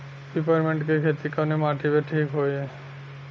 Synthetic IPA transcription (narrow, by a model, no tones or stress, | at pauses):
bipaɾmeɳʈkekʰet̪ikanemaʈʰibeʈʰikɦoje